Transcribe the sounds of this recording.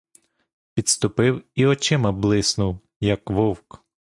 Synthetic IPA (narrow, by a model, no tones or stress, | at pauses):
pʲid̪st̪ʊpɪwiɔt͡ʃɪmɐblˠɪsnʊw | jɐkʋɔwk